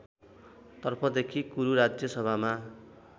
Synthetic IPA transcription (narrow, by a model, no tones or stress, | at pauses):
t̪ʌrpʰʌd̪ekʰikuɾuɾad͡zjʌsʌbʱama